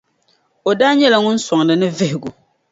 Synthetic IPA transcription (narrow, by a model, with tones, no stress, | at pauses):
o˨daː˦ɲɛ˦la˨ŋʊ˦n̩˦sɔ˨ŋ˨dɨ˨nɨ˦vɪ˦hɪ˨ɡʊ˨